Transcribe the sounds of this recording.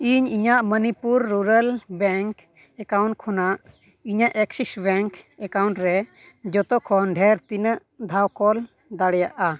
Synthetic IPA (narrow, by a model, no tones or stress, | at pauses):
iɲiɲaʔmənipuɾːuɾəlbɛŋk | ɛkawɳʈ̚kʰɔnaʔ | iɲaʔɛksisbɛŋk | ɛkawɳʈɾɛ | d͡ʒɔt̪ɔkʰɔnɖʱɛɾt̪inəʔ | d̪ʱawkɔl | d̪aɽɛjaʔa